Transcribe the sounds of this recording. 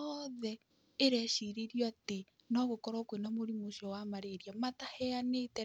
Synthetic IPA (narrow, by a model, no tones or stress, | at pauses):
ɔðɛ | eɾɛʃiɾeɾjoate | nɔɣokɔɾɔːkwenamoɾimoʃɔwamaɾeɾjamatahɛanetɛ